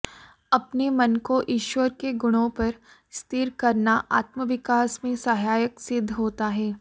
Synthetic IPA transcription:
ɐpnemɐnkoʔiːʃʋəɾkeɡʊɽ̃õpɐɾ | st̪ɪɾkɐɾnaʔa̰ːt̪məʋɪkaːsmẽsɐɦaːjəksɪd̪ʱːɦoːt̪aɦɛː

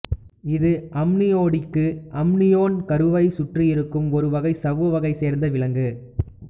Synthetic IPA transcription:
ɪðɯʔɐmnɪjoːɽɪkːɯʔɐmnɪjoːnkɐɾɯʋɐɪsʊʈrijɪɾɯkːɯmɔɾɯʋɐɣɐɪsɐʋːɯʋɐɣɐɪseːɾnd̪ɐʋɪɭɐŋɡɯ

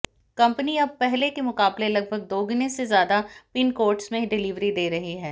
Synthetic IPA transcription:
kɐ̃mpəniɐb̚pɛɦlekemʊkaːblelɐɡ̚bʱəɡ̚d̪oːɡɪnẽsezjaːd̪apɪnkoːɾʈsmẽɖɪliʋɾid̪eːɾɐɦiɦɛː

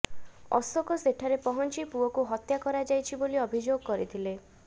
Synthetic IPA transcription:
ɔ̰sɔkɔseʈʰaɾepɔɦɔnt͡ʃipuɔkuɦɔt̪jakɔɾad͡ʒajt͡ʃʰiboliɔbʱid͡ʒoɡɔkɔɾit̪ʰile

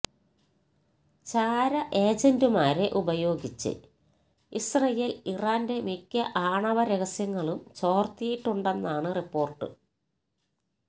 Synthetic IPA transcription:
t͡ɕaːɾɐʔe̞ːd͡ʑendumaːɾeʔubɐjo̞ːɡit͡ɕːɨ̰ | isrɐjeːliraːnde̞mikʲːɐʔaːɳɐʋɐɾeɣɐsjɐŋːɐɭumt͡ɕo̞ːrt̪ijiʈːuɳɖe̞nːaːɳɨripːo̞ːrʈːɨ̰

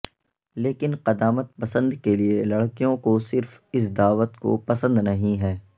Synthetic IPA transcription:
leːkɪnqɐd̪aːmət̪̚pɐsə̃nd̪kelielɐɽkijõkosɪɾfɪs̬d̪aːʋət̪ko̰pɐsə̃nd̪nɐɦĩɦɛː

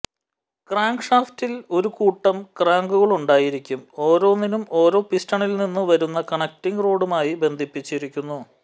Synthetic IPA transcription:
kraːŋɡʂaːftilo̞ɾukuːʈːɐmkraːŋɡuɣɐɭuɳɖaːjiɾikʲːumo̞ːɾo̞ːninumo̞ːɾo̞ːpistɐɳilninːuʋɐɾunːɐkɐɳɐk̚tiŋɡro̞ːɽumaːjibe̞nd̪ʱipːit͡ɕːiɾikʲːunːu

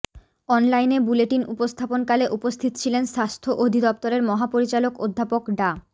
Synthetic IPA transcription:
ɔnlajnebuleʈinupost̪ʰaponkaleʔupost̪ʰit̪t͡ɕʰilenʃast̪ʰoʔod̪ʱid̪ɔp̚t̪oɾeɾmɔɦapoɾit͡ɕaloko̰d̪ʱːapokɖa

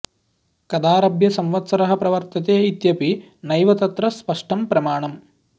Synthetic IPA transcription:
kɐd̪aːɾɐbʱjɐsɐmʋɐt̪sɐɾɐɦɐpɾɐʋɐɾt̪ɐt̪eːit̪jɐpi | nɐjʋɐt̪ɐt̪ɾɐspɐʂʈɐmpɾɐmaːɳɐm

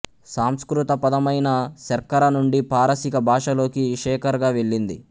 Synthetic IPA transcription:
saːmskɾut̪ɐpɐd̪ɐmɐjnɐsɐɾkɐɾɐnuɳɖipaːɾɐsikɐbʱaːʂɐlo̞ːkiʂɛːkɐɾɡaːʋeɭːind̪i

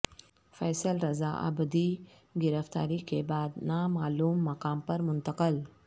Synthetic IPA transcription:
fɛːsəlɾɐza̰ːʔɐ̰bəd̪i | ɡɪɾəft̪a̰ːɾikebaːd̪naːmaːluːmːɐqaːmpɐɾmʊnt̪əqəl

